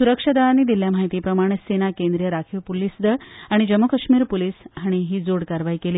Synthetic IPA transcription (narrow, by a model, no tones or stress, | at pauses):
suɾəkʂad̪aʋaniːd̪iljam̤aɦit̪iːpɾəmaɽ̃esenakẽnd̪ɾijəɾakʰiʋpulisd̪əaɽ̃id͡ʑəmːokəʂmiːɾpuliːsɦaɽ̃iɦiːd͡zoɽkaɾʋajkeliː